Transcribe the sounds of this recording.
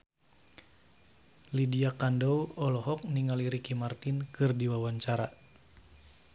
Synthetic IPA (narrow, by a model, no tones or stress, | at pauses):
lidiakandɔwɔlɔɦɔk̚niŋaliɾikimart̪inkɨrdiwawaɲt͡ʃaɾa